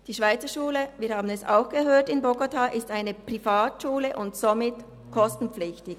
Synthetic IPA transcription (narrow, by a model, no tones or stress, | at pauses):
d̥iːʃv̥aɪt͡səʃuːləviːɾhaːbn̩ɛsa̰ʊxɡ̥əɦøːtɪnboɡotʰaːʔɪstaɪnəpʁ̥ifaːtʃuːləʔʊntsomɪt | kʰɔstn̩p͡flɪçtɪç